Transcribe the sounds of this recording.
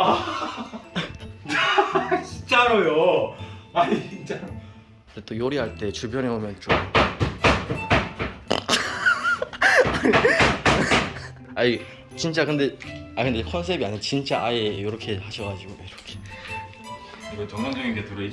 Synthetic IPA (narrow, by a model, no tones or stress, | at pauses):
a | at͡ɕint͡ɕ͈aɾojo | ait͡ɕint͡ɕ͈a | det͈ojoɾiɦaɭt͈e̞t͡ɕuɭpʰjʌneɦomjʌnt͡ɕom | ai | t͡ɕint͡ɕ͈akɯnde̞akɯndekʰʌns̬ʰe̞biaɲit͡ɕint͡ɕ͈aʔaejoɾʌkʰe̞haɕʰʌɡad͡ʑiɡoiɾʌkʰe̞ | ɯɾʌt͡ɕʌŋand͡ʑʌɡinɡetuɾei